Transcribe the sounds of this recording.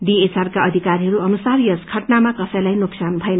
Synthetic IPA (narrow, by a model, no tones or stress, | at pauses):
ɖiesarkaʌd̪ʱikaɾiɦʌɾuʌnusarjʌskʰʌʈnamakʌsʌjlajnuksanbʱʌenʌ